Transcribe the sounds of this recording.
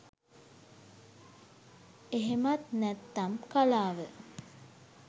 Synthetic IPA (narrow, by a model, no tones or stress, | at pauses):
eɦemat̪næt̪ːamkalaːʋə